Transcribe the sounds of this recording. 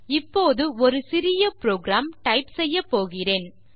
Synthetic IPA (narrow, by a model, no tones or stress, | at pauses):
ɪpːoːðɯɔɾɯsɪɾɪjɐpɾoːɡɾaːmʈɐɪpsɛjːɐpːoːɣɪreːn